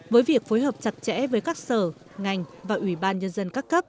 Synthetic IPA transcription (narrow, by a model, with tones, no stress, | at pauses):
vəː˨˦jvi˨˩ək̚foː˨˦jɦəː˨˩p̚t͡ɕa˨˩t̚t͡ɕɛ̰˧˥vəː˨˦jkaː˦˥k̚səː˧˩ | ŋa˨˩jŋ̟vaː˨˩ʔi˧˩ɓaː˧nɲə˧nzə˧nkaː˦˥kːə˦˥p̚